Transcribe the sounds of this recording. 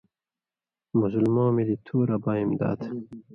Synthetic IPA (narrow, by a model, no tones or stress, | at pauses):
mʊzulmɑ̃ːmilit̪ʰuːɾabaːimd̪ɑ̰ːt̪